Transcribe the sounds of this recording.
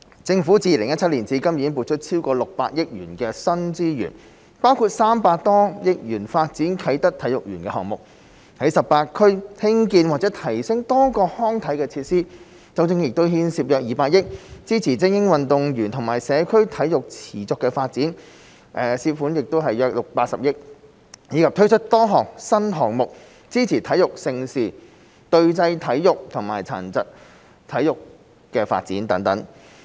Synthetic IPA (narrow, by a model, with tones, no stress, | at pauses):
t͡sɪ˧ŋfuː˨˥t͡siː˧lɪ˨˩ŋjɐ˥t̚t͡sʰɐ˥t̚li˨˩nt͡siː˨˥kɐ˥mjiː˨˥npu˨˧t̚t͡ʃʰɵ˥t̚t͡sʰiː˥wkɔː˧lʊ˨k̚pa̰ː˧t̚jɪ˥k̚jy̰ː˨˩nkɛː˧sɐ˥nt͡siː˥jy̰ː˨˩n | paː˥wkʰuː˨˧t̚saː˥mpaː˧k̚t̪ɔː˥jɪ˥k̚jyː˨˩nfaː˧t̚t͡siː˨˥nkʰɐ˨˥jt̪ɐ˥k̚t̪ʰɐ˨˥jʊ˨k̚jy̰ː˨˩nkɛ˧hɔ̰ː˨ŋmʊ˨k̚ | hɐ˨˥jsɐ˨pːaː˧t̚kʰːɵ˥ɥhɪ˥ŋkiː˧nwaː˨t̚t͡sɛː˨˥t̪ʰɐ˨˩jsɪ˥ŋt̪ɔː˥kɔː˧hɔː˥ŋt̪ʰɐ˨˥jkɛː˧t͡sʰiː˧t̚siː˥ | t͡sɐ˧wt͡sɪ˥ŋjɪ˨k̚t̪o˥wɦiː˥nsiː˧p̚jœː˨k̚jiː˨paː˧k̚jɪ˥k̚t͡siː˥t͡sʰiː˨˩t͡sɪ˥ŋjɪ˥ŋwɐ˨nt̪ʊ˨ŋjyː˨˩nt̪ʰʊ˨˩ŋmaː˨˩jsɛː˨˧kʰɵ˥ɥt̪ʰɐ˨˥jʊ˨k̚t͡sʰiː˨˩t͡sʊ˨kːɛː˧faː˧t̚t͡siː˨˥n | ʔɛ˨siː˧fuː˨˥njɪ˨k̚t̪o˥wɦɐ˨jœː˧k̚lʊ˨k̚paː˧t̚sɐ˨p̚jɪ˥k̚ | jiː˨˧kʰɐ˨p̚t̪ʰɵ˥ɥt͡ʃʰɵ˥t̚t̪ɔː˥ɦɔː˨˩k̚sɐ˥nɦɔː˨˩ŋ̚mʊ˨k̚ | t͡siː˥t͡sʰiː˨˩t̪ʰɐ˨˥jʊ˨k̚sɪ˧ŋsiː˨˩ | t̪ɵ˧ɥt͡sɐ˧jt̪ʰɐ˨˥jːjʊ˨k̚t̪ʰʊ˨˩ŋma̰ː˨˩jt͡sʰa̰ː˨˩nt͡sɐ˨t̚ | t̪ʰɐ˨˥jʊ˨kː | ɛː˧fa̰ː˧t̚t͡siː˨˥nt̪ɐ˨˥ŋt̪ɐ˨˥ŋ